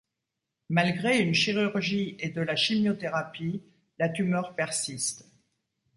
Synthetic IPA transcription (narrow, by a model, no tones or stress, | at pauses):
malɡʁeynʃiʁyʁʒied̪əlaʃimjot̪eʁapi | lat̪ymœʁpɛʁsist̪